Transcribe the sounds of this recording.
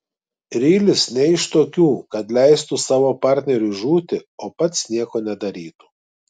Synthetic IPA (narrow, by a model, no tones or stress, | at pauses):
ɾʲiːlʲɪsnʲɛɪʃt̪oːkʲuːkɐt̪lʲɛɪst̪usɑːʋoːpɑɾʲt̪ʲnʲɛɾʲuʒuːt̪ʲɪoːpɐt̪snʲiɛkoːnʲɛd̪ɐɾʲiːt̪u̥